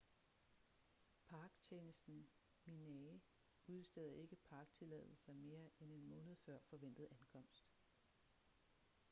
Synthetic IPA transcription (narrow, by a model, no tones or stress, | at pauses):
pʰɑ̈ːɡ̥t͡ɕʰeːnəsd̥n̩ | minɛ | uð̞ˠsd̥eð̰ˠɐe̝ɡ̥əpʰɑ̈ːɡ̥̚t͡sʰe̝lɛ̰ðˠl̩sɐme̝ːɐʔene̝nmɔ̽ːnəð̞̩ˠfɶɐ̰fɒ̽ʋen̰d̥ð̞̩ˠænkʰɒ̽m̰sd̥